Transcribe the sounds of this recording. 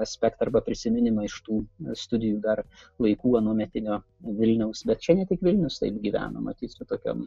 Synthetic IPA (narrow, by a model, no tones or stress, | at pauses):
ɐsʲpʲɛkt̪ɐrbɐpʲɾʲɪsʲɪmʲɪnʲɪmɐɪʃt̪uːst̪ʊd̪ʲɪjuːd̪ɐrlˠɐɪkuːɐnuɔmʲɛt̪ʲɪnʲoː | ʋʲɪlʲnʲɛʊsbʲɛt̪t͡ʃʲɛnʲɛt̪ʲɪkʋʲɪlʲnʲʊst̪ɐ̰ɪpɡʲiːʋʲæ̰ːno̰mɐ̰t̪ʲiːsʲʊt̪oːkʲo̰m